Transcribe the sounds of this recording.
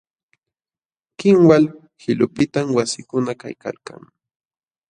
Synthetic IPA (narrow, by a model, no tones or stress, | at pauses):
kɪmwal | hɪlʊpɪt̪amwasɪkʊnaka̰jka̰lka̰ŋ